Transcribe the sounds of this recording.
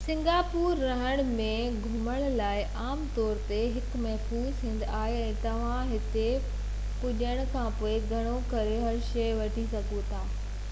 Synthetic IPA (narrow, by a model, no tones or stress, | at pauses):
sɪ̃ŋɡaːpuːɾːɐɦəɽ̃mẽ | ɡʱʊməɽ̃laːɪʔaːmt̪ɔːɾt̪eɦɪkmɐɦfuːzɦɪ̃ːnd̪aːɦeɛ̃ːt̪ɐʋ̤ãɦɪt̪e | pʊʄəɽ̃kʰãːpoːeɡʱɐɽ̃okɐɾeɦɐɾʃɐjʋɐʈʰisɐɡʱot̪ʰaː